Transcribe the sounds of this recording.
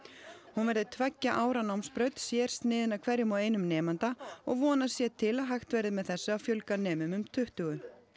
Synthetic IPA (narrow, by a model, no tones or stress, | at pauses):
hunvɛɾðɪt̪ʰvɛcːaʔaːwɾanawmspɾœɥt̪sjɛɾ̥st̪nɪːðɪnakʰv̥ɛɾjʏmaweːjnʏmnɛːmant̪aɔɣvɔːnasjɛt̪ʰɪlaðɦajxt̪vɛɾðɪmɛðθɛsːʏawfjœlkanɛːmʏmʏmt̪ʰʏht̪ʏɣʏ